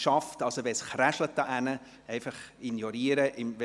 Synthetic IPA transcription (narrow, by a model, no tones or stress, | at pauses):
ʃɑftɑlsoʋɛsχræʃlət̚ːɑʔænə | ɛɪfɑχinjɔɾiəɾəʔɪmʋ